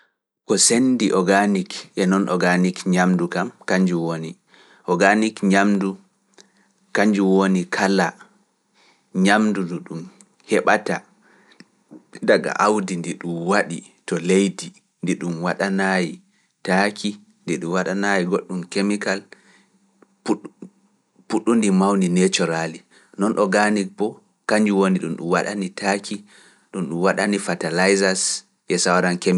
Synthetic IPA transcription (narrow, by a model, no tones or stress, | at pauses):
kɔsendiʔɔɡanikʔɛnɔnʔɔɡanikɲamdukamkaɲd͡ʒuwoni | ʔɔɡanikɲamdu | kaɲd͡ʒuwonikʰala | ɲamduduɗum | hɛɓata | daɡa̰ʔawdindiɗumwaɗḭ | tɔlejdi | ndiɗumwaɗanaji | takʰi | ndiɗumwaɗanajiɡoɗːumkemikal | puɗːundimawninet͡ʃɔɾali | nɔnʔɔɡanipɔ | kaɲd͡ʒuwoniɗumɗṵmwaɗa̰nitʰakʰi | ɗumɗumwaɗanifatalajzas | ʔɛsawaɾankem